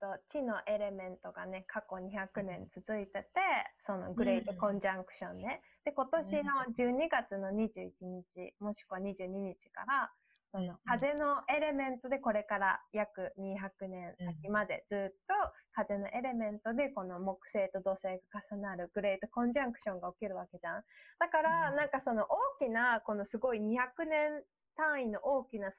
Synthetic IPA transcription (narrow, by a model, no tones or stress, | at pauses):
t̪ot͡ɕino̞ʔe̞ɾe̞mẽ̞nt̪o̞ɡa̰ne̞kʰako̞ɲ̟içakɯ̟nẽ̞nt͡sɨzɨit̪e̞t̪e̞so̞no̞̰ɡɯ̟ɾe̞it̪o̞kõ̞ɲd͡ʑãŋkɯ̟̥ɕõ̞nd̪e̞ | d̪̥e̞ko̞t̪o̞ɕino̞d͡ʑɨːɲ̟iɡat͡sɨno̞ɲ̟iʑɨːit͡ɕiɲ̟it͡ɕḭmo̞ɕi̥koβaɲ̟iʑɨːɲ̟iɲ̟it͡ɕi̥ka̰ɾa | so̞no̞kaze̞no̞ʔe̞ɾe̞mẽ̞nt̪o̞d̪e̞ko̞ɾe̞kaɾa̰jakɯ̟ɲ̟içakɯ̟nẽ̞ɰ̃sakʲimad̪e̞̰d͡zɨːt̪ːo̞kaze̞no̞ʔe̞ɾe̞mẽ̞nt̪o̞d̪e̞ko̞no̞mo̞kɯ̟̥se̞ːt̪o̞d̪o̞ːse̞ːɡakasanaɾɯ̟ɡɯ̟ɾe̞it̪o̞kõ̞ɲ̟d͡ʑãŋkɯ̟̥ɕõ̞ŋɡaokʲiɾɯ̟βake̞d͡ʑãd̪̥akaɾanãŋkaso̞no̞ʔoːkʲinako̞no̞sɨɡo̞iɲ̟içakɯ̟nẽ̞n | t̪ãɰ̃ino̞ʔo̞ːkʲinas